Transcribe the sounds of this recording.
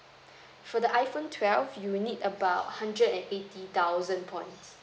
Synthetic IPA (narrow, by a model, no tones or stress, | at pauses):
fɔdəʔaɪfõntʰwɛlvjunitəbaʊthãndɹədɛ̃netit̪awzə̃npʰɔ̃ɪ̃ns